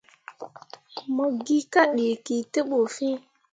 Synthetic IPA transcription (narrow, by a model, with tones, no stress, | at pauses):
mə˦ɡi˦ka˦ɗe˨ki˨te˦ɓo˨fĩ˦